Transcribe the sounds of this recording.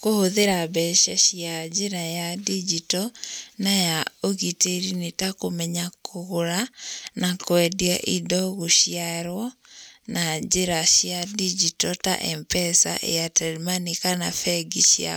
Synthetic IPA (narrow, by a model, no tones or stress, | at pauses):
kohoðeɾabɛʃaʃjiad͡ʒeɾajadid͡ʒitɔnajaoɣiteɾinetakomɛɲakʰoɣoɾanakwɛdiaʔidɔɣoʃjaɾwɔ | nad͡ʒeɾaʃjadid͡ʒitɔta̰ʔɛmpɛsa̰ʔḛjatɛɾimanikanafɛɡiʃja̰